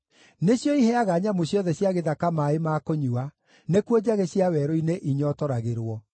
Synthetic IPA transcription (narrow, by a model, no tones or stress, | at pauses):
neɕjɔihɛaɣaɲamoɕjɔðɛɕjaɣeðakamaemakoɲua | nekwod͡ʑaɣeɕjawɛɾoineʔiɲɔtɔɾaɣeɾwɔ